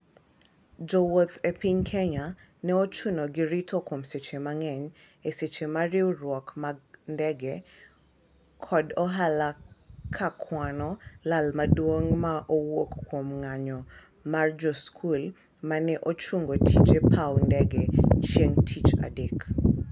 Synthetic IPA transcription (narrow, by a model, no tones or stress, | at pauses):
d͡ʒɔwot̪epiɲkʰɛɲa | nɛot͡ʃunoɡɪɾitʰɔkomset͡ʃemaŋɛɲ | eset͡ʃemarɪwrwɔkmandɛɡɛ | kʰɔdɔɦalakʰakʰwanɔlalmadwoŋmaʔowokkːwomŋaɲɔ | mard͡ʒɔskʰul | manɛʔot͡ʃuŋɡotʰit͡ʃepʰawndɛɡɛt͡ʃjeŋtʰit͡ʃa̰dek